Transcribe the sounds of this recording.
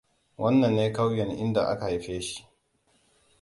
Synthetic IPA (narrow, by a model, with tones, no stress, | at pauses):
wʔɐ˦nːɐ˨nːeː˦ka˦wjɛ˨nʔɪ̰˦nda̰˨ʔa̰˦ka˨i˦ɸeː˦ʃi̥˦ʔ